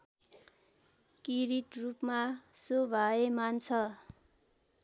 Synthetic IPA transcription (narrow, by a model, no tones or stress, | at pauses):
kiɾiʈrupmasobʱaemant͡sʰʌ